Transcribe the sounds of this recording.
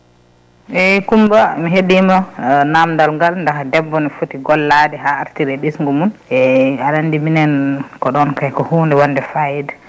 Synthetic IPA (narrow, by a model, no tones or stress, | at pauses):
ɛkumbamiɦeɗimanamdalŋɡalndahadɛbːɔnifutiɡɔlːadɛɦaaɾtiɾɛɗisŋɡumunɛaɗandiminɛnkɔɗɔnkajkɔhundɛwanːdɛfajɛdɛ